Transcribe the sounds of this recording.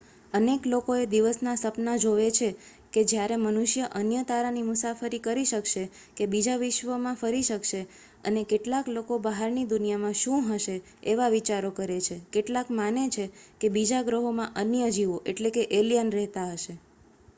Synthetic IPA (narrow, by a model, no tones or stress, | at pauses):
əneklokoed̪iʋəsnasəpnad͡ʒoʋet͡ʃʰe | ked͡ʒjaɾemənuʃjəʔənjət̪aɾanimʊsafəɾikəɾiʃəkʃe | kebid͡ʒaʋɪʃʋəmãfəɾiʃəkʃe | ə̰nekeʈlaklokobəɦaɾnid̪unijamãʃũɦəʃe | eʋaʋit͡ʃaɾokəɾet͡ʃʰekeʈlakmanet͡ʃʰekebid͡ʒaɡɾəɦomãʔənjəd͡ʒiʋoʔeʈlekeʔelijənɾɛɦt̪aɦəʃe